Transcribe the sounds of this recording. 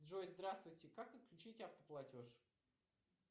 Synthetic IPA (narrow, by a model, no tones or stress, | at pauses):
d̪ʐojzd̪ɾast̪vʊjtʲɪkakɨklʲʉt͡ɕitʲɐft̪ə̥plˠɐtʲo̞ʂ